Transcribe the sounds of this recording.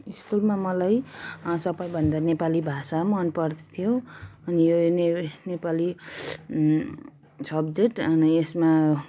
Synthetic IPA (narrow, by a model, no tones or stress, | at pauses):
iskulmamʌlajsʌbʌjbʱʌnd̪anepalibʱasamʌnpʌrd̪t̪ʰijoʌnijonenepali | sʌbd͡zeʈnesma